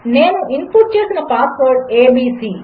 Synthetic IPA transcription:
neːnuʔinpuʈt͡ʃesnɐpaːsʋoːɾɖeːbiːsi

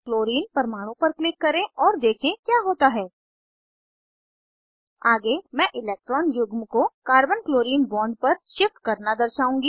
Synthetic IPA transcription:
kloːɾiːnpɐɾmaːɽ̃õpɐɾklɪkːɐɾẽʔɔːɾd̪eːkʰẽkjaːɦoːt̪aɦɛː | aːɡemɛ̃ːʔɪleːk̚ʈɾɔːnjʊɡmkokaːɾbənkloːɾiːnbɔːɳɖpɐɾʃɪfʈkɐɾnad̪ɐɾʃaːũːŋɡiː

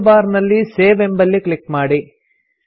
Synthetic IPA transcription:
baːɾnɐlːiseːʋembɐlːikɭikːmaːɽi

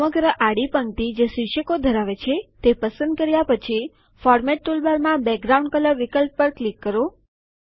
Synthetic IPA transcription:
məɡɾəʔaɽipəŋkt̪id͡ʒesiʃəkod̪ʱəɾaʋet͡ʃʰet̪epəsənd̪̚kəɾjapət͡ʃʰi | fɔɾmɛʈ̚ːulbaɾmãbɛk̚ɡɾauɳɖkələɾʋikəlp̚ːəɾklikːəɾo

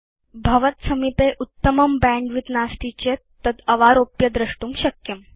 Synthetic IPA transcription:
bʱɐʋət̪səmipeʔut̪ːəməmbæ̃ɳɖʋit̪nast̪it͡ɕet̪əd̪əʋaɾopjəd̪ɾəʂʈuːmɕɐkjəm

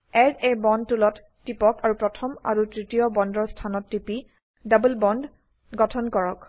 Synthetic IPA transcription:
ɛɹebɔnd̚tulɔtːipɔkʰaɹupɹɔtʰɔma̰ɹutɹitijɔbɔndɔɹstʰanɔtːipi | dabulbɔnd | ɡɔtʰɔnkɔɹɔk

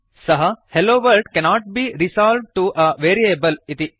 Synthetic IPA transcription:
sɐɦɐheloːʋɐlɖkɛnɔːʈ̚biɾisaːlʋʈuʔɐʋeːɾiebɐlɪt̪i

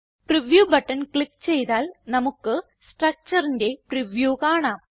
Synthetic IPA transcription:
priʋjuːbɐʈːɐnkɭipːt͡ɕe̞jt̪aːlnɐmukːɨ | sʈrɐk̚t͡ɕɐrinde̞priʋjuːkaːɳaːm

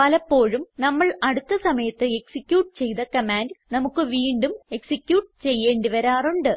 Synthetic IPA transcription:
pɐlɐpːo̞ːɻumnɐmːɐɭɐɽut̪ːɐsɐmɐjɐt̪ːɨeksikʲːjuːʈ̚t͡ɕe̞jðɐkɐmaːnɖnɐmukːɨʋiːɳɖume̞ksikʲjuːʈ̚t͡ɕe̞jːe̞ːɳɖiʋɐɾaːruɳɖɨ

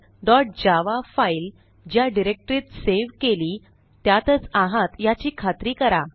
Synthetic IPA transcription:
d̪ɔʈ̚d͡ʑaʋafail | d͡ʑjaɖiɾek̚ʈɾiːt̪seʋkeliː | t̪jat̪ət͡sãɦãt̪jat͡ɕiːkʰat̪ɾiːkəɾa

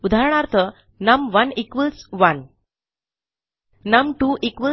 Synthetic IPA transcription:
ud̪ʱaɾɳ̃aɾt̪ʰə | nəmʋənikʋəlsʋən | əmʈuːʔikʋə

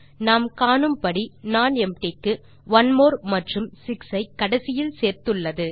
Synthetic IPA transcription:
naːmkaːnɯmpɐɽinaːnɛmʈeːkːɯ | ʋɐnmoːɾmɐʈrɯmsɪksɐɪkːɐɽɐsɪjɪlseːɾt̪ɯɭːɐðɯ

